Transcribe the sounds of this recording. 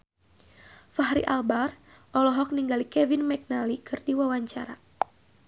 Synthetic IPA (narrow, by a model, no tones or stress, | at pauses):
faɦɾḭʔalbar | ʔɔlɔɦɔk̚niŋɡalikɛvinmɛk̚nalikɨrdiwawaɲt͡ʃa̰ɾa̰